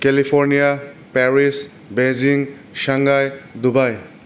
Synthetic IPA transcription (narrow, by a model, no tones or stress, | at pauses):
kelipʰɔɾnijapɛɾis | beziŋ | saŋɡajdubaj